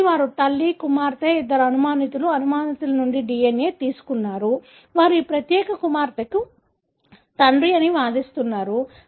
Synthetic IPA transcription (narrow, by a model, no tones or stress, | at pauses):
ʋaːɾut̪ɐlːikumaːɾt̪ɐid̪ːɐɾuɐnumaːnit̪uluɐnumaːnit̪ulɐnuɳɖiɖiːeneːt̪iːsu̥kunːaːɾu | ʋaːɾuiːpɾɐt̪jɛːkɐkumaːɾt̪ɐki | t̪ɐɳɖɾiɐniʋaːd̪ist̪unːaːɾu